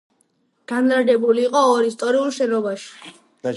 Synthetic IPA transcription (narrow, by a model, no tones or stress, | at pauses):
ɡ̥anɾadɛbuliːqʼɔːɾist̪ʼɔɾiulˠʃɛnɔbaʃi̥